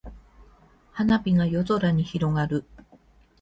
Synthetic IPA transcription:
hanapʲiɡajo̞zo̞ɾaɲ̟içiɾo̞ɡaɾɯ̟

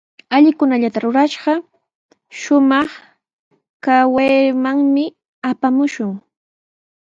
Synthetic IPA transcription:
aʎɪkʊnaʎat̪aɾʊɾaʃɢɑ | ʃʊmɑχ | kawejmaŋmɪ | apamʊʃʊŋ

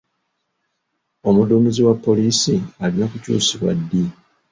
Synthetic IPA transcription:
o̞muduːmiziwapːo̞liːsialinokucṵːsiβwa̰dːi

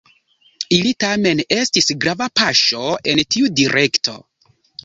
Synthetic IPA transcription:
ilitame̞ne̞stisɡɾavapaʃo̞e̞ntiudiɾe̞ktʰo̞̰

